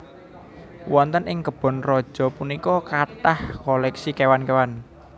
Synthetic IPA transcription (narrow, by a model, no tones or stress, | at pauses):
wɔnt̪ənɪŋkəb̥ɔ̤nrɔd̥ʒ̥ɔ̤punikɔkat̪ahkɔlɛksikewankewan